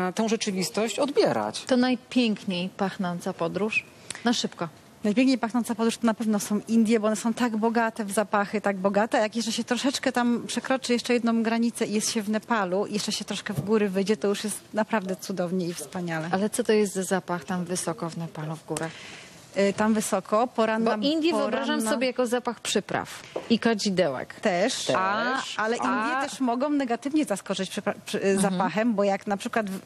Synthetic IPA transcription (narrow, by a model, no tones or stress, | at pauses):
t̪ɛ̃w̃ʐɛt͡ʂɘvʲist̪ɔɕt͡ɕɔd̪bʲjɛɾa̰t͡ɕt̪ɔnajpʲjɛŋkɲejpaxnɔnt̪sapɔd̪ɾuʂ | naʂɘpkɔ | najpʲjɛŋk̚ɲejpaxnɔnsapɔd̪ɾuʂt̪ɔnapɛvnɔsɔ̃w̃ʔind̪ʲjɛbɔɔnɛsɔ̃w̃t̪aɡbɔɡat̪ɛvzapaxɘt̪aɡ̚bɔɡat̪ɛajakjɛst͡ʂɛɕɛt̪ɾɔʂɛt͡ʂkɛt̪ampʂɛkɾɔt͡ʂɨjɛʂt͡ʂɛjɛd̪nɔ̃w̃ɡɾaɲit̪sɛijɛst̪ɕɛvnɛpaluḭjɛʂt͡ʂɛɕɛt̪ɾɔʂkɛvɡuɾɘvɘjd͡ʑɛt̪ɔjuʂjɛst̪napɾavd̪ɛt̪sud̪ɔvɲɛifspaɲalɛalɛt̪sɔt̪ɔjɛst̪zazapaxt̪amvɘsɔkɔvnɛpaluvɡuɾax | t̪amvɘsɔkʰɔpɔɾanːaind̪ʲjipvɨɔɾbɾaʒamsɔbʲjejakɔzapaxpʂɘpɾa̰fikad͡ʑid̪ɛwɛ̰kt̪ɛʂt̪aʔalɛʔind̪jɛt̪ɛʂmɔɡɔ̃w̃nɛɡat̪ɘvɲɛzaskɔt͡ʂɨt͡ɕpʂppʂapaxɛmbɔjaknapʂɘkwat̪v